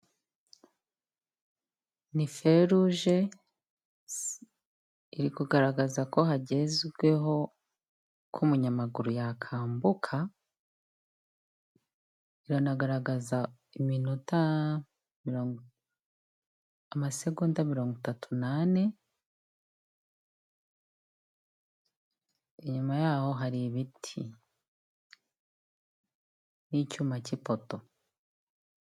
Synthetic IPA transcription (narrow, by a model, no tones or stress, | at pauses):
nife̞ɾuʒe | iɾikuɡaɾaɡazako̞haɟe̞zwe̞ɦo̞ | kʰumuɲamaɡuɾujakʰaːmbukʰa | iɾanaɡaɾaɡaza | iminota | miɾoːŋ | amase̞ɡundamiɾo̞ːŋɡitatʰunane̞ | eɲumajaːho̞ɦaɾiβitʰḭ | nicuːmacipo̞to̞